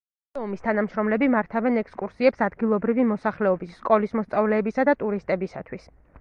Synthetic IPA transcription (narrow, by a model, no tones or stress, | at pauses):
ɛɔmist̪ʰanamʃɾɔmlɛbimaɾt̪ʰavɛnɛkskʼuɾsiɛpsad̪ɡilˠɔbɾivimɔsaχlɛɔbisːkʼɔlismɔst̪sʼavlɛːbisad̪at̪ʼuɾist̪ʼɛbisa̰t̪ʰwis